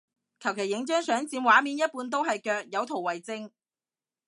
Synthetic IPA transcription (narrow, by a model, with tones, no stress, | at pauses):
kʰɐ˨˩wkʰe˨˩jːɪ˨˥ŋt͡ʃœː˥ŋsœː˨˥ŋt͡siː˨˧mwaː˨˥miː˨˧njɐ˥t̚puː˨˥nt̪̬o˥wɦɐ˨jkœː˧k̚jɐ˨˧wt̪ʰo˨˩wɐ˨˩jt͡sɪ˥ŋ